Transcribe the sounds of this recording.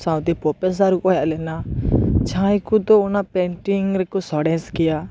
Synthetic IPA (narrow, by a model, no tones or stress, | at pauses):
sãw̃t̪ipɔpes̬aɾukɔɦjaʔlɛnat͡ʃãjkut̪ɔunapẽɳʈiŋɡɾɛkusɔɽɛ̃nskija